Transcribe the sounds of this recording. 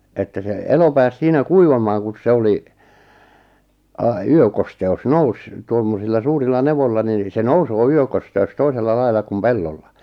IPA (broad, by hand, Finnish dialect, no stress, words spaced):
etːæ se elo pæːs siːnæ kuiʋɑmɑːŋ kun̞s se oli ɑ yøkosteus nous tuomːosilːɑ suːrilːɑ neʋolːɑ nin se nousoː yøkosteus toiselːɑ lɑilˑɑ kum pelːolːɑ